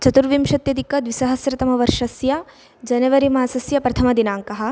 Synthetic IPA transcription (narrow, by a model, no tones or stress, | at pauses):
t͡ʃɐt̪uɾʋimʃɐt̪jɐd̪ʱikɐd̪ʋisɐɦɐsɾɐt̪ɐmɐʋɐɾʂɐsjɐ | d͡ʒɐnɐʋɐɾimaːsɐsjɐpɾɐt̪ʰɐmɐd̪inaːŋkɐɦɐ̆